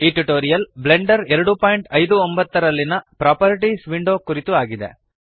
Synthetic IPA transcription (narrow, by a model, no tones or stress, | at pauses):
iːʈuʈoːɾijɐlbleɳɖɐɾɛɾɐɽupaːjɳʈɐjd̪uombɐt̪ːɐɾɐlːinɐpɾaːpɐɾiʈisʋiɳɖo̞ːkuɾit̪uaːɡid̪ḛ